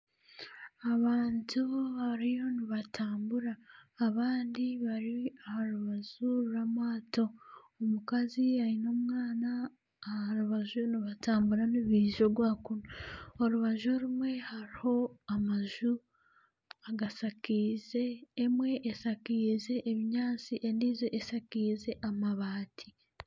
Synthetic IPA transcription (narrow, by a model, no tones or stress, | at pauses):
aβaːntuhaɾijo̞niβatʰaːmbuɾaːβaːndiβaɾiahaɾuβaʒuɾuɾamaːto̞ | omukaziaino̞ːmŋaːnaː | haɾuβaʒuniβataːmbuɾaniβiʒo̞ɾɡwaːkunuoɾuβaʒoɾumwe̞haɾiho̞amaʒu | aɡasakiːze̞ːmwe̞ʔesakiːze̞ʔeβiɲaːt͡siʔendiːzeʔesakiːze̞ʔamaβaːtʰi